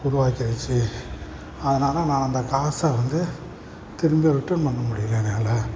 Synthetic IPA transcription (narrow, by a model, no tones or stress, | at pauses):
ʊɾʊʋaːkɪɐʋɪt͡ʃːɯ | ɐðɐnaːlɐnãːɐnd̪ɐkaːsaːʋɐnd̪ɯ | t̪ɪɾɯmbɪjɐʋɪʈːɐmpɐnːɐmʊɽɪjɪɾẽːneːlɐ